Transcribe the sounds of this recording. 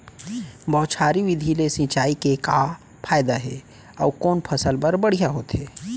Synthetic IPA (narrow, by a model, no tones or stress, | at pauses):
bɔːt̪t͡ʃʰaːɾiʋɪd̪ʱilesĩːt͡ʃaːikeka | pʰaːjd̪aɦɛ | ɔːkoːnpʰɐsəlpəɾbəɽ̤ijaɦoːt̪ɦeː